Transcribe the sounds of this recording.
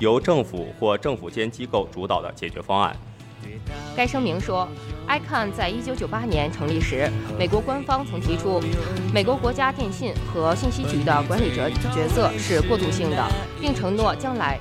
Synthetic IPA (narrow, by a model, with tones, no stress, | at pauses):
jo˧˥ʊʈ͡ʂɤ˥˩ŋfṵ˨˩xwɔ˥˧ʈ͡ʂɤ˥˩ŋfu˨˩t͡ɕjɛ˥nt͡ɕi˥ko˥˩ʊʈ͡ʂu˧˥t̪ɑ˨˩ə̰˦t͡ɕjɛ˨˩t͡ɕɥɛ̰˧˥fɑ˥ŋa̰˥˩n | ka˥ɪʂɤ˥ŋmi˧˥ŋʂwɔ˥a˥ɪkʰa˥˧nt͡sa˥˩ɪi˥t͡ɕjo˧˥ʊt͡ɕjo˨˩ʊpa˥njɛ˧˥nʈ͡ʂʰɤ˧˥ŋli˥˩ʂɻ̩˧˥me˨˩ɪkwɔ˧˥kwa˥nfɑ˥ŋt͡sʰɤ˧˥ŋt̪ʰi˧˥ʈ͡ʂʰu˥me˨˩ɪkwɔ˧˥kwɔ˧˥t͡ɕja˥t̪jɛ˥˧nɕi˥˩nxɤ˧˥ɕi˥˩nɕi˥t͡ɕʰy˨˩d̪ə˦kwa˧˥nli˨˩ʈ͡ʂt͡ɕɥɛ˧˥sɤ˥˧ʂɻ̩˥˧kwɔ˥˧t̪u˥˧ɕi˥˩ŋd̪ə̰˩ | pi˥˩ŋʈ͡ʂʰɤ˧˥ŋnwɔ˥˩t͡ɕjɑ˥ŋla˧˥ɪ